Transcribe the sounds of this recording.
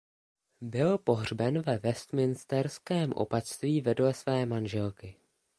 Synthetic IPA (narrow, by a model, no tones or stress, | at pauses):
bɪlpo̞ɦr̝bɛnvɛvɛst̪mɪnst̪ɛɾskɛːmʔo̞̰pat̪st̪viːvɛdlɛsvɛːmanʒɛlkɪ